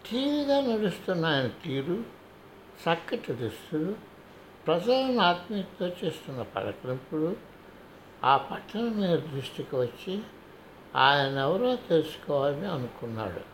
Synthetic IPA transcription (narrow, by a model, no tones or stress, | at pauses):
ʈʰiːʋiɡaːnɐɾust̪unːaːjɐnɐt̪iːɾu | sɐkːɐʈ̪id̪ustuɽu | pɾɐd͡ʒɐlɐnaːt̪miːt̪o̞ːt͡ʃe̞ːst̪unːɐpɐ̰ɾɐkɾimpuɽu | aːpɐʈːɐnɐmiːd̪ɐd̪ɾuʂʈikiʋɐt͡ʃːi | aːjɐnɐɛʋɐɾo̞ːt̪elusu̥kɔːʋaːlɐniɐnukunːa̰ːɽṵ